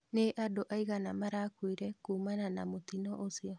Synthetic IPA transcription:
neʔadoʔaiɣanamaɾakwiɾɛkuːmananamotinɔʔosiɔ

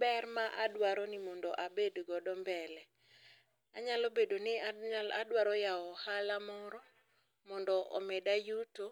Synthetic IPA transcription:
bɛrmaʔadwaɾɔnɪmɔndɔʔabedɡɔdɔmbɛlɛ | aɲalobedonɪaladwaɾɔjaɔhalamɔɾɔ | mɔndɔʔɔ̰mɛdajuto

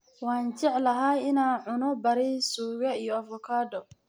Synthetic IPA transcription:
waːnt͡ʃɛʕlɐɦaɪnaːnʕʊnɔbɐɾɛsuːɣɐijɔɐfɔkʰaːd̪ɔ

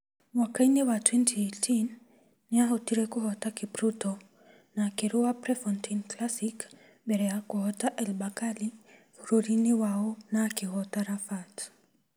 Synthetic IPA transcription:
wakainewatwɛntʰietʰinː | ɪaɦɔtiɾekʊɦɔtakɪpɾuto | nakɪɾʊwapɾɛfɔntʰinklasik | bɛɾɛakʊhɔtaʔɛlbakali | ɾoɾinɪwaɔnakɪhɔtaɾafat

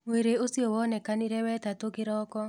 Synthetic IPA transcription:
weɾeosiowɔnɛkaniɾɛwɛt̪at̪okɪɾɔkɔ

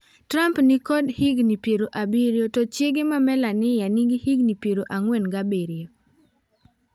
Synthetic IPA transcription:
tɾampnikɔdhiɡnipjeɾoʔabiɾjotot͡ʃɪɡɪmamɛlanɪjaniɡihiɡnipjeɾoʔaŋwenɡabeɾɪjo

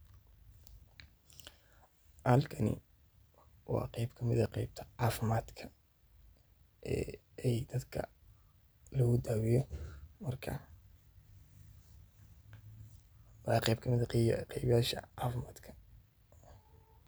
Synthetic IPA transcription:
ʔhɐlkʰɐnɪ̰ | wɑ̰ːqɛjbkʰɐmɪðɐqɛjb̚t̪ʰɐ̥aːfɪmaːd̪kʰɐ | ʔɛ̰ː | ɛjd̪̥ɐd̪kʰɐ̰ | lɔɣʊd̪aːwɪjɔmɐrkʰɐ̰ | wɑːqɛjb̚kʰɐmɪðɐqɛjβɪjaːʃɐ̰ʔaːfɪmaːd̪kʰɐ̥

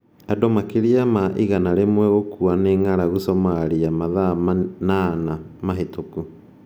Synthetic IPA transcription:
adomakeɾiamaʔiɣanaɾemwɛɣokuaneːŋaɾaɣosɔmaɾiamaðamanaːnamaɦetoku

